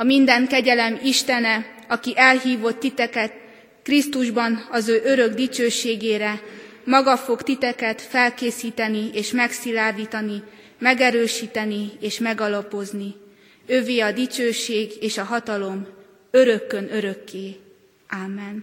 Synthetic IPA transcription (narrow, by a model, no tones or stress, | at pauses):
ɒmind̪ɛŋkɛɟɛlɛmiʃt̪ɛnɛ | ɒkiʔɛlɦiːvo̞t̪ːit̪ɛkɛt̪ | krist̪uʒbɒnɒzøːʔø̞ɾø̞ɡd̪it͡ʃøːʃeːɡeːɾɛ | mɒɡɒfo̞kt̪it̪ɛkɛt̪fɛlkeːsiːt̪ɛnieːʃmɛksilaːrd̪iːt̪ɒni | mɛɡɛɾøːʃiːt̪ɛnieːʃmɛɡɒlɒpo̞zni | øveːɒd̪it͡ʃøːʃeːɡeːʃɒɦɒt̪ɒlo̞m | ø̞ɾø̞kːønø̞ɾø̞kːeː | aːmːɛn